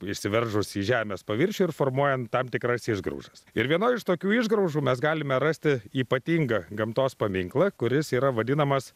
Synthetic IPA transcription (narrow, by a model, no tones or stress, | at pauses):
ɪʃʲsʲɪʋʲɛrʒʊsiːʒʲæːmʲɛːspɐʋʲɪɾʲʃʲuːɪrfoːrmuɔjɛnt̪ɐmt̪ʲɪkrɐsɪʒɡɾɐ̰ʊʒɐsɪɾʋʲiɛnoːjɪʃt̪oːkʲuːɪʒɡɾɐʊʒuːmʲɛsɡɑːlʲɪmʲɛɾɐsʲt̪ʲɪiːpɐt̪ʲiːŋɡɐɡɐmt̪oːspɐmʲɪŋklˠɐkʊɾʲɪsiːɾɐʋɐd̪ʲɪnɐmɐs